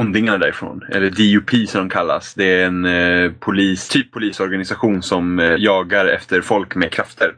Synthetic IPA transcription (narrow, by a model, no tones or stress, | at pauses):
ʊnd̪ɪŋanad̪æ̰ɾɪfɾo̰ːnɛ̰lːəɖɪʊpʰiːsɔmd̪ɔmkʰalːa̰sd̪ɛæɾɛnpʰʊliːst̪ʰyːpʰːʊliːsɔɾɡanɪsaɧuːnsɔmjɑːɡaɾɛ̰ft̪ʰəɾfɔlkmɛkʰɾaft̪ʰəɾ